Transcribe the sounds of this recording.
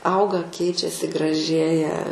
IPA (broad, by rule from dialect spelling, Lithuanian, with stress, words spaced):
ˈɐʊɡɐ ˈkʲɛɪt͡ʃʲɛsʲɪ ɡrɐˈʒʲeːjɛ